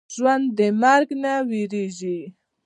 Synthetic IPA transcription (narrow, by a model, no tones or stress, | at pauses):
ʒwand̪d̪emaɾknawiɾiʒi